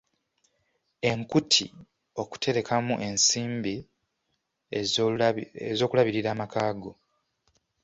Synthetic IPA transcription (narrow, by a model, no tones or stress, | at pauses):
e̞ŋkutʰḭ | o̞ku̥te̞ɾe̞kʰamuʔe̞nsiːmbi | ezo̞ːkulaβiɾiɾaːmakaːɡo̞